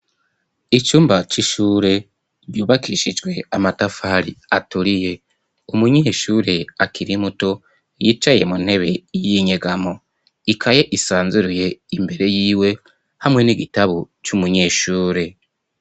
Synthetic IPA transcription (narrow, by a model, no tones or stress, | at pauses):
it͡ʃuːmbat͡ʃiʃuːɾe̞ | juːβakiʃid͡ʒɡwe̞amatafaːɾiatuɾije̞ | umuɲeʃuːɾe̞akʰiɾimuto̞ | jiːt͡ʃaje̞mun̥he̞βe̞jijiɲeɡamo̞ | ikʰaje̞ʔisaːnzuɾuje̞imbe̞ɾe̞jiːwe̞ | hamŋe̞niɡitaβo | t͡ʃumuɲe̞ːʃuːɾe̞